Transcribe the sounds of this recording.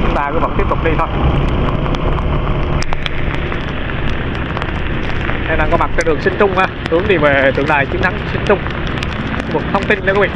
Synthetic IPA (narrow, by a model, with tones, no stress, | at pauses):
ɓaː˨˩kɨ̰˧˦˥və̰˧˥t̪i˦˥əp̚t̪ʊ˨k͡p̚ɗi˧t̪ʰo˧j | na˧jnaː˨˩ŋkɔ˨˦ma˨˩k̚t͡ɕɔ˧˩ɗɨ˨˩əŋsï˧ŋ̟t͡ɕʊ˧ŋ͡mhaː˧t̪ɨ˨˦əŋɗi˧˩ve˨˩t̪ɨ˨˩əŋɗa̰ː˧˨˩jt͡ɕɨ˨˦nt̪ʰa˨˦ŋsï˧ŋ̟t͡ɕʊ˧ŋ͡m | u˨˩k̚t̪ʰə˧wŋ͡mt̪i˧nn˧wkːḭ˧˨